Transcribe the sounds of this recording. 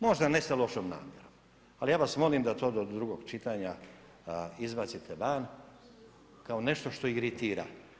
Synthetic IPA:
mo̞ʒd̪anest̪elo̞ʃomna̰ːmjeɾom | alijaːʋasmo̞limd̪at̪o̞ːd̪od̪ɾuɡo̞ɡt͡ʃit̪aɲa | izbat̪sit̪ʰeʋan | kaone̞ʃt̪o̞ʃt̪o̞iɾit̪iːɾa̰

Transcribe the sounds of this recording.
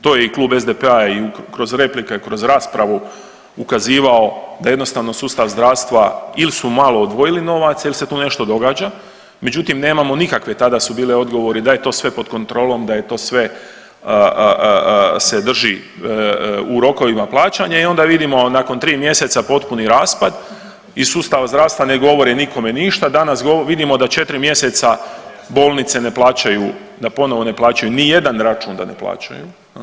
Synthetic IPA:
t̪oːjeiklˠuːbe̞zd̪epeaiukɾo̞zɾe̞plikekɾo̞zɾaːspɾaʋu | ukaziːʋao̞d̪aje̞d̪no̞st̪aʋno̞suːst̪aʋzd̪ɾaːʋst̪ʋailisumaːlˠo̞od̪ʋo̞jilino̞ʋat̪sailise̞t̪uːne̞ʃt̪o̞d̪o̞ɡaːd͡ʒa | me̞d͡ʑut̪imne̞ːmamo̞nikakʋet̪ad̪asubiːleo̞d̪ɡo̞ʋo̞ɾid̪aje̞t̪o̞ːsʋe̞po̞d̪ko̞nt̪ɾo̞ːlo̞md̪aje̞t̪o̞ːsʋe̞ | ə | se̞d̪r̩ʒi | uɾo̞ko̞ʋimaplˠaːt͡ɕaɲaio̞nd̪aʋid̪imo̞nako̞nt̪ɾiːmje̞se̞t̪sapo̞t̪puniɾaːspad̪ | isuːst̪aʋazd̪ɾaːʋst̪ʋane̞ɡo̞ʋo̞ɾiniko̞me̞niʃt̪ad̪anasɡoʋid̪imo̞d̪at͡ʃe̞t̪ɾimje̞se̞t̪sa | bo̞ːlˠnit̪se̞ne̞plˠaːt͡ɕaju | d̪apo̞no̞ʋo̞ne̞plˠaːt͡ɕajunije̞d̪anɾat͡ʃuːnd̪a̰nḛplˠa̰ːt͡ɕa̰ju

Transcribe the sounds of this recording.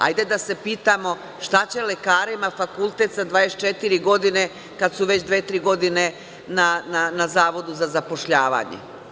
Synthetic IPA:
a̰jd̪e̞d̪ase̞piːt̪amo̞ | ʃt̪at͡ɕe̞lekaːɾemafakulˠt̪e̞t̪sad̪ʋaːest͡ʃet̪iɾiɡo̞d̪ine̞ | kad̪suʋe̞t͡ɕd̪ʋeːt̪ɾiɡo̞d̪ine̞ | nananazaːʋo̞d̪uzazapo̞ʃʎaːʋa̰ːɲḛ

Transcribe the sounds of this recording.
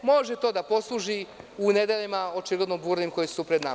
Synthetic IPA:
moʒet̪o̞ːd̪apo̞slˠuʒiuned̪eʎimao̞t͡ʃiɡlˠed̪nobuɾnimko̞jisupɾed̪na̰ma

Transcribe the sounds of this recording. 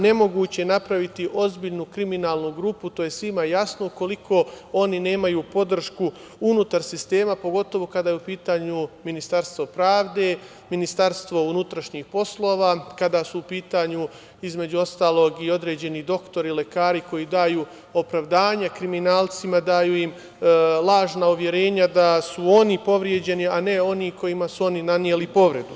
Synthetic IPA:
ne̞mo̞ɡuːt͡ɕenapɾaʋit̪iʔo̞zbiʎnukɾiminaːlˠnuɡɾuput̪o̞ːje̞sʋimajasnouko̞likʰo̞o̞nine̞ːmajuːpo̞d̪r̩ʃku | unut̪aɾsist̪e̞ːmapo̞ɡo̞t̪o̞ʋo̞kad̪aːjeupiːt̪aːɲuminist̪aɾst̪ʋo̞pɾaːʋd̪e̞ | minist̪aɾst̪ʋo̞unut̪ɾaʃɲiːxpo̞slˠo̞ːʋaːkad̪asuupiːt̪aːɲu | izme̞d͡ʑuo̞st̪aːlˠo̞ːɡio̞d̪ɾe̞ːd͡ʑe̞nid̪o̞kt̪o̞ɾile̞kaːɾiko̞jid̪aːjuː | o̞pɾaʋd̪aːɲakɾiminaːlˠt̪simad̪aːjuːjim | lˠaːʒnauʋje̞ɾe̞ːɲad̪asuo̞nipo̞ʋɾje̞d͡ʑe̞niane̞o̞niko̞jimasuo̞ninanjelipo̞ʋɾe̞d̪u

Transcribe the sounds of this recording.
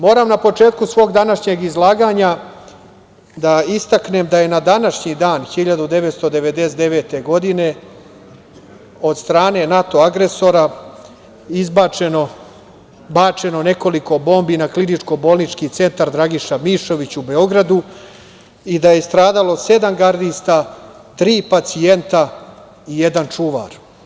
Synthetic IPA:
mo̞ːɾamnapo̞t͡ʂe̞ːt̪kusʋo̞ːɡd̪anaʃɲe̞ɡizlˠaːɡaɲa | d̪aist̪akne̞md̪aje̞nad̪anaʂɲid̪aːnxiʎad̪ud̪e̞ʋet̪st̪o̞d̪e̞ʋe̞d̪esed̪eʋe̞ːt̪e̞ɡo̞d̪ine̞ | o̞d̪st̪ɾaːne̞nat̪o̞aɡɾe̞so̞ɾa | izbat͡ʃeno | bat͡ʂe̞no̞ne̞ko̞liko̞bo̞ːmbinaklinit͡ʂko̞bo̞ːlˠnit͡ʂkit̪se̞nt̪aɾd̪ɾaɡiʃamiʃo̞ʋit͡ɕube̞o̞ɡɾad̪u | id̪aje̞st̪ɾaːd̪alo̞se̞d̪amɡaɾd̪ist̪a | t̪ɾiːpat̪sie̞nt̪a | ijed̪ant͡ʂuʋa̰ːɾ

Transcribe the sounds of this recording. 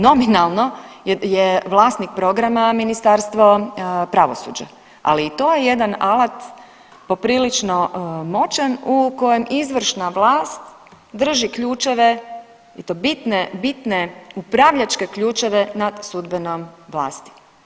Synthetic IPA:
no̞minalˠno̞jeʋlˠaːst̪nik̚pɾo̞ɡɾamaminist̪aɾst̪ʋo̞pɾaʋo̞̰sṵːd͡ʒa̰ | a̰liːt̪o̞ːjeje̞d̪analˠat̪ | po̞pɾiːlit͡ʃnomo̞t͡ʃenuko̞jemizʋr̩ʃnaʋlaːst̪ | d̪r̩ʒikʎuːt͡ʃeʋe | it̪obit̪nebit̪neupɾaʋʎat͡ʃke̞kʎuːt͡ʃe̞ʋenad̪sud̪benomʋla̰ːst̪i̥

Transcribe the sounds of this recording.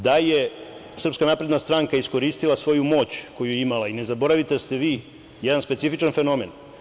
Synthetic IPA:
d̪aje | sr̩pskanaːpɾed̪nast̪ɾaŋkaisko̞ɾiːst̪ilasʋo̞jumo̞ːt͡ɕko̞jujeimalaine̞zabo̞ɾaʋit̪est̪e̞ʋiː | jed̪anspesifit͡ʃanfe̞no̞me̞n

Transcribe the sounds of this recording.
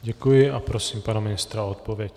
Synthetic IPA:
ɟɛkujɪʔapɾo̞siːmpanamɪnɪst̪ɾaot̪̚po̞vjɛc

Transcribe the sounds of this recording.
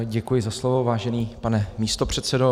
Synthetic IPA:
ɟɛkujɪzaslovo̞vaːʒɛniːpanɛmiːst̪o̞pr̝̥ɛt̪sɛdo

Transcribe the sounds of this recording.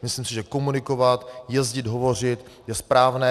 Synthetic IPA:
mɪslimsɪʒɛko̞munɪko̞vat̪jɛzɟɪd̪ɦo̞vo̞r̝ɪt̪ | jɛspɾaːvnɛː

